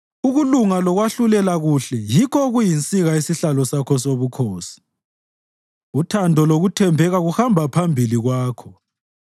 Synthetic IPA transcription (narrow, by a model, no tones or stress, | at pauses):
uɣuluŋalɔɣwaɬulɛlaɣuɬɛjikʰɔɣujint͡sʼiɣaisiɬalɔsakʰɔsoβukʰoːsi̥ | utʰandʱɔloɣutʰɛmbʱɛɣaɣuxambʱapʰambʱiliɣwaːkʰɔ